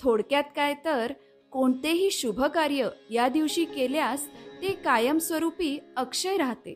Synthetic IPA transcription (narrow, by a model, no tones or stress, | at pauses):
t̪ʰoɽkjat̪kajt̪əɾ | koɳt̪eɦiːɕubʱəkaɾjəjad̪iʋɕiːkeljast̪ekajəmsʋəɾupiːəkʂəjɾaɦt̪ḛ